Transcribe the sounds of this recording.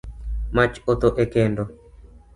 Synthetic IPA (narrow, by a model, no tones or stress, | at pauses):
mat͡ʃot̪oʔekendo